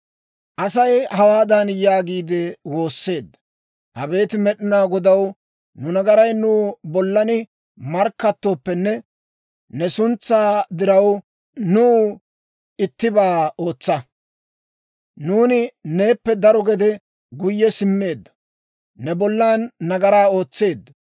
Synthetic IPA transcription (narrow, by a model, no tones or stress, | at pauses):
ʔɐsɐjhɐwaːd̪ɐnjaːɡiːd̪ɛwo̞ːsːe̞ːd̪ːɐ̥ | ʔɐbe̞ːt̪ɪmɛɗɪnaːɡɔd̪ɐw | nʊnɐɡɐɾɐjnuːbɔlːɐnɪ | mɐɾkːɐt̪ːoːpːɛnːɛ | nɛsʊnt͡sːaːd̪ɪɾɐw | nuː | ɪt̪ːɪbaːo̞ːt͡sːɐ | nuːnɪne̞ːpːɛd̪ɐɾɔɡɛd̪ɛ | ɡʊjːɛsɪmːe̞ːd̪ːɐ̥ | nɛbɔlːaːnːɐɡɐɾaːo̞ːt͡sːe̞ːd̪ːɐ